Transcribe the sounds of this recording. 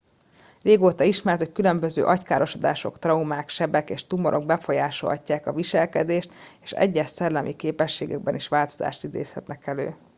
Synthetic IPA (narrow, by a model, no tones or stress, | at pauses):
reːɡoːt̪ɒiʃmɛrt̪hockylø̞mbøzø̰ːʔɒckaːɾʔo̞ʃod̪a̰ːʃo̞̰kt̪rɒumaːkʃɛbɛkeːʃt̪umoɾʔoɡ̚bɛfo̞jaːʃo̰lɒ̰cːaːkɒviʃɛlkɛd̪eːʃt̪eːʃɛ̰ɟːɛʃsɛlːɛmʔikeːpɛʃːeːɡɛɡ̚bɛniʃʋaːlt̪oza̰ːʃt̪id̪ḛːshɛt̪nɛkɛlø̰ː